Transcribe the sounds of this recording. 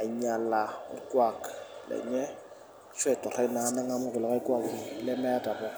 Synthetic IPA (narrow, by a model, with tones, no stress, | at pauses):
a˨i˦ɲa˨la̰˨˦kwa˨klɛ̰˨ɲɛ˦ | ʃwɛ˦˨tʼɔ˨ra˦na˨˦nɛ˦ŋa˦mʊ˦ɣʊ˨lɔ˨ɣa˦i˦kwa˦klɪ˦mɛ˦ta˨bɔ˦